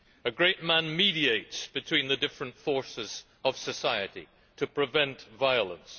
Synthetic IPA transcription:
ɨɡɹeɪt̚mæ̃nmiɾieɪtsb̥ɨtʰw̥ĩnðɨdɪfɹɨ̃ntfɔɹsɨz̥ | ʌv̥sɨsaɪɨɾḭ | ɾʰɨpʰɹ̥ɨvɛ̃ntvaɪəlˠə̰̃ns

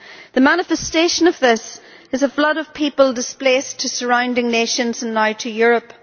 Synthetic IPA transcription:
ðəmañɪfɛsteʃə̃nəvðɪs | ɨzəflʌɾəv̥pʰipəlˠdɪsplestʰəsə˞ãʊ̃ndɪ̃ŋneʃə̃nzə̃nnaɪtʰəjʊɹəp

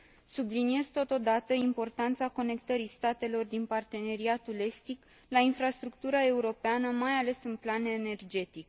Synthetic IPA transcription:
sublinie̞zt̪o̞t̪o̞d̪at̪əimpo̞rt̪ant̪sako̞ne̞kt̪əɾist̪at̪e̞lo̞rd̪inpart̪e̞ne̞ɾiat̪ule̞st̪ik | lainfɾast̪ɾuk̚t̪uɾae̞uɾo̞peanəmajale̞sɨnplanene̞rd͡ʒe̞t̪ik

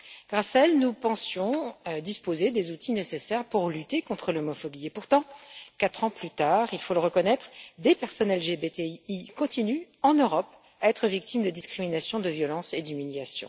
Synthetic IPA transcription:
ɡ̥ʁasaɛlnupɑ̃sjɔ̃d̪ispozed̪ezut̪ʰinesesɛʁpuʁlyt̪ekɔ̃t̪χəlɔmɔfɔbiepuʁt̪ɑ̃kat̪χɑ̃plyt̪aʁilfoləʁəkɔnɛt̪χd̪epɛʁsɔnɛlʒebet̪eikɔ̃t̪inyɑ̃nøʁɔp | aɛt̪χəvik̚t̪imd̪əd̪iskχiminasjɔ̃d̪əvjɔlɑ̃sed̪ymiljasjɔ̰̃

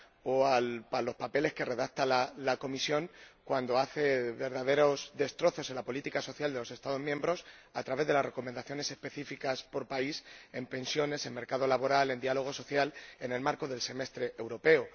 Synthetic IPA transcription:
oalpalo̞spape̞le̞ske̞re̞ðak̚t̪alalako̞misjõ̞ŋkwand̪o̞aθeβe̞ɾðaðe̞ɾo̞zðe̞st̪ɾo̞θo̞selapo̞lit̪ikaso̞θjald̪e̞lo̞se̞st̪aðo̞zmjẽmbɾo̞sat̪ɾaβe̞zðelasre̞ko̞mend̪aθjo̞ne̞se̞spe̞θifikaspo̞ɾpaise̞mpẽ̞nsjo̞ne̞se̞nme̞ɾkað̞olaβo̞ɾale̞nd̪ialo̞ɣ̞o̞so̞θjale̞ne̞lmaɾko̞ðe̞lse̞me̞st̪ɾeʔewɾo̞pe̞o

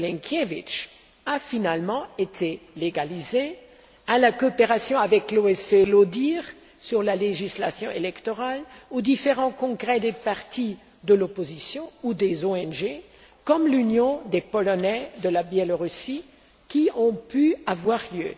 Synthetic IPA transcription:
lɛ̃ŋkʲʰjevit͡ʃ | afinalmɑ̃et̪ʰeleɡalize | alakɔːpeʁasjɔ̃avɛkloɛselod̪iʁ | syʁlaleʒisla̰sjɔ̃ʔelɛkt̪ɔʁalod̪ifeʁɑ̃kɔ̃ɡʁɛd̪epaʁt̪i | d̪əlɔpozisjɔ̃ud̪ezoɛnʒe | kɔmlynjɔ̃d̪epɔlɔnɛd̪əlabjɛloʁysi | kʲiɔ̃pyavwaʁljø̰

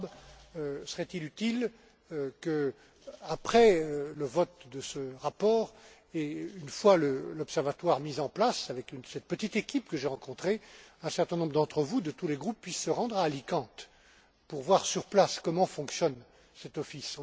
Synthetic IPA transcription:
b | səʁɛt̪ilyt̪il | kə | apχɛøləvɔt̪d̪əsəʁapɔːʁ | eynfwaləlɔpsɛʁvat̪waʁmizɑ̃plasavɛkynsɛt̪̚pət̪it̪ekʲipkəʒeʁɑ̃kɔ̃t̪χeɛ̃sɛʁt̪ɛ̃nɔ̃bʁəd̪ɑ̃t̪χəvud̪ət̪uleɡʁupːɥisːəʁɑ̃d̪ʁaːlikɑ̃t̪ | puʁvwaʁsyʁplaskɔmɑ̃fɔ̃ksjɔn | sɛt̪ɔfis

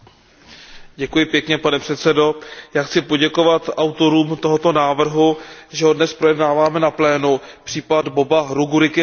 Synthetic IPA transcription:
ɟɛkujɪpjɛkɲɛpanɛpr̥ɛt̪sɛdo̞jaːxt͡sɪpo̞ɟɛko̞vat̪ʔawt̪o̞ɾuːmt̪o̞ɦo̞t̪o̞naːvr̩ɦuʒɛɦo̞dnɛspɾo̞jɛdnaːvaːmɛnaplɛːnupr̥iːpadbo̞baɾuɡuɾɪkɪ

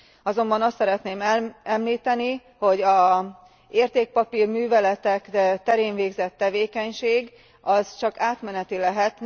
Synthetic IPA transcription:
ɒzo̞mbɒnɒst̪sɛɾɛt̪neːmɛmliːt̪ɛni | ho̞ɟɒ | eːrt̪eːk̚pɒpirmyːvɛlɛt̪ɛkt̪ɛɾeːnveːɡzɛt̪ːɛveːkɛɲʃeːɡ | ɒzt͡ʃɒkaːt̪mɛnɛt̪ilɛɦɛt̪

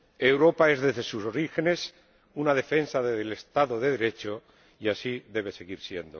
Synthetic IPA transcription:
e̞wɾo̞pae̞zðe̞zðe̞suso̞ɾixe̞ne̞s | unað̞e̞fe̞nsaðeðele̞st̪aðoðe̞ðeɾe̞t͡ʃo̞ | iasiðe̞β̞e̞se̞ɣiɾsje̞nd̪o̰

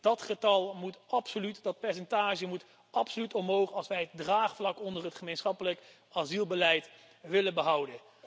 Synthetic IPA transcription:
d̥ɑtχətɑlˠmutɑpsolytdɑt̚pɛɹsɛntaːʒəmut | ʔɑpsolytɔmɦowχɑlˠsʋɛjɦət̚draːχflɑkɔndərɦətχəmejnsχɑpələk | ɑzilˠbəlɛjt | ʋɪlənbəɦʌwdən

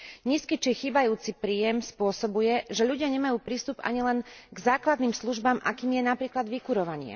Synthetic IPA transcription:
ɲiːskit͡ʃixiːbajuːt͡sipɾiːjɛmspʊɔsɔbujɛʒɛʎuɟɪaɲɛmajuːpɾiːst̪upa̰ɲilɛnɡzaːklad̪niːmsluʒbamʔa̰kiːmjɛnapɾiːklad̪ʋikuɾɔʋaɲɪɛ̰

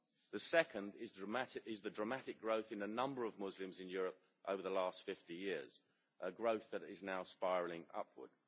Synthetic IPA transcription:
ðəsɛkʰə̃ndɪzdɹəmatɪɪzðədɹəmaɾɪk̚ɡ̥ɹəʊθɨ̃nənʌ̃mbəɹəvmʊzlɪ̃mzɪ̃njɔːɹəp̚ | ʔə̰ʊvəðəlɑˑstfɪftijɪəz̥ | ʔəɡɹəʊθðəɾɪznaʊspaɪɹlɪ̃ŋʌ̰pʰwə̰d̥

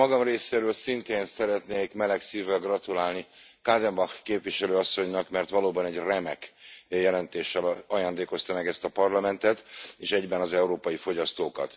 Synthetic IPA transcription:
ɒɡɒmreːseːɾøːlsint̪eːnsɛɾɛt̪neːkmɛlɛksiːvɛlɡrɒt̪ulaːlnikaːd̪ɛmbɒxkeːpʋiʃɛløːɒsːo̞ɲnɒkmɛrt̪ʋɒloːbɒnɛɟrɛmɛkjɛlɛnt̪eːʃːɛlɒjaːnd̪eːko̞st̪ɒmɛɡɛst̪ɒpɒrlɒmɛnt̪ɛt̪eːʃɛɟbɛnɒzɛuɾoːpɒjifo̞ɟɒst̪oːkɒ̰t̪

